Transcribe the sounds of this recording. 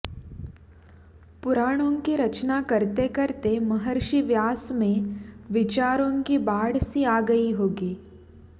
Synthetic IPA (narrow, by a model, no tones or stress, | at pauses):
pʊɾaːɽ̃õːkiɾɐt͡ʃnakɐɾt̪ekɐɾt̪emɐɦəɾʃiʋjaːsmẽʋɪt͡ʃaːɾõkibaːɽsiaːɡɐiɦoːɡiː